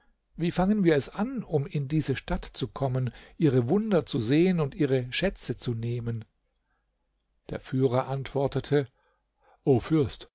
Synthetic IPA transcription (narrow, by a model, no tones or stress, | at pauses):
viːfaŋənviːɐɛsʔanʊmɪndiːzəʃtatt͡sukʰɔmənʔiːʁəvʊndɐt͡suzeːənʊntʔiːʁ̞əʃɛt͡sət͡suneːmən | d̥ḛːɐfyːʁɐʔantv̥ɔɐtətʰə | ʔoːfʏɐst